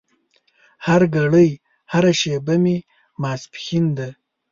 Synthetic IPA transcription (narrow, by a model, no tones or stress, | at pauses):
haɾɡaɽəj | haɾaʃebami | mɑːspxind̪a